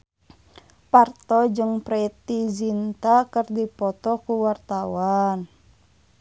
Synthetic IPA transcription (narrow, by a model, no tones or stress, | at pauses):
part̪ɔd͡ʒɨŋpɾɛt̪izint̪akərdipɔt̪ɔkuwart̪awan